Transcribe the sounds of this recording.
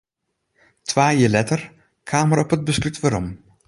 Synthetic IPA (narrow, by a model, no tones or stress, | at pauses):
tʰʋaːjəlɛtər | kʰaːməɾɔpəd̚bəslytʋaɾɔm